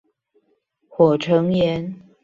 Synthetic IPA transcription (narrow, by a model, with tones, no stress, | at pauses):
xwɔ˨˩ʈ͡ʂʰɤ˧˦ŋjɛ˧˦n